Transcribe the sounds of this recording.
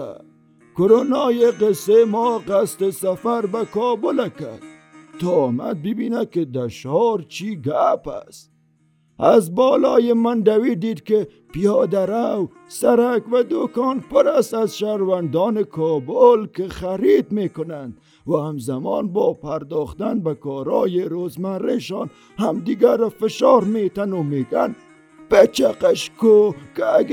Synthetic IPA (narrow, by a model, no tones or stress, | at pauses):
kʊɾonɑːjeqesemɔːqast̪esafaɾbakɔːbʊlakad̪̚ | t̪ɔːma̰d̪̚bibiːnakɪd̪aʃɔɾt͡ʃʰiːɡapa̰st̪ | azbɔːlɔːjemand̪awiːd̪iːd̪kɪ | pijɔːd̪aɾaw | saɾakvad̪okɔːnpʊɾasazʃahɾvand̪ɔːnɪkʰɔːbolkɪχæɾid̪meːkʊnand̪ | wahamzamɔːnbɔːpaɾd̪ɔːχt̪anbakɔːɾɔ̰ːjeɾoːzmaɾeʃɑːn | hamd̪iɡaɾfɪʃɑːɾmeːt̪anumeːɡan | b̥at͡ʃaqaʃkoka